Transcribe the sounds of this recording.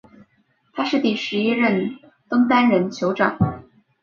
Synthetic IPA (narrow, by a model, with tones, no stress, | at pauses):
t̪ʰa˥ʂɻ̩˥˧t̪i˥˩ʂɻ̩˧˥i˥ɻə˥˩n | t̪o˥ŋt̪a˥nɻə˧˥nt͡ɕʰjo˧˥ʊʈ͡ʂɑ̰˨˩˦ŋ